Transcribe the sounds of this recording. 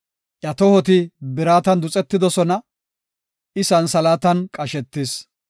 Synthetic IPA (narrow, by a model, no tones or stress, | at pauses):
ʔjɐt̪ɔhɔt̪ɪbɪɾaːt̪ɐnd̪ʊt͡sʼɛt̪ːɪd̪ɔsɔnɐ | ɪsɐnsɐlaːt̪ɐnkʼɐʃɛt̪ːɪs